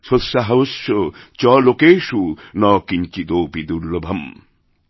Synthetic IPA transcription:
ʃosːaɦɐoʃot͡ɕɔlokeːʃunɔːkiɲt͡ʃid̪oːpid̪uɾlobʱɐm

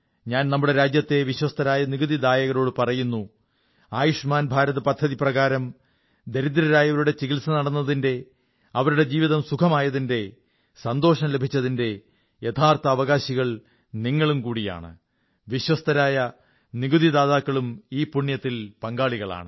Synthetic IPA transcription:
ɲaːnnɐmːuɽe̞ɾaːd͡ʑjɐt̪ːe̞ʋiɕwɐst̪ɐɾaːjɐniɡuðid̪aːjɐɣɐɾo̞ːɽɨpɐrɐjunːu | aːjuʂmaːnbʱaːɾɐðɐpɐd̪ʱːɐðiprɐɣaːɾɐm | d̪eɾid̪ɾɐɾaːjɐʋɐɾuɽe̞t͡ɕiɣilsɐnɐɽɐnːɐðinde̞ | ɐʋɐɾuɽe̞d͡ʑiːʋiðɐmsukʰɐmaːjɐðinde̞ | sɐnd̪o̞ːʂɐmle̞bʱit͡ɕːɐðinde̞ | jet̪ʰaːrt̪ɐːʋɐɣaːɕiɣɐɭ | niŋːɐɭumkuːɽija̰ːɳɨ̰ | ʋiɕwɐst̪ɐɾaːjɐ | niɡuðid̪aːðaːkːɐɭumiːpuɳːjɐt̪ːilpɐŋɡaːɭiɣɐɭa̰ːɳɨ

